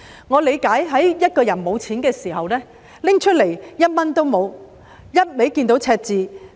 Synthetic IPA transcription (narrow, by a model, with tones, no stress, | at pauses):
ŋɔː˨˧le˨˧jkaː˨˥jɦɐ˨˥jjɐ˥t̚kɔː˧jɐ˨˩nmo˨˧wt͡sʰiː˨˥nkɛː˧siː˨˩ɦɐ˨wlɛː˥ | lɪ˥ŋt͡ʃʰɵ˥le˨˩jjɐ˥t̚mɐ˥nt̪o˥wmo˨˧w | jɐ˥t̚me˨˥jkiː˧nt̪̬o˨˥wt͡sʰɛː˧k̚t͡siː˨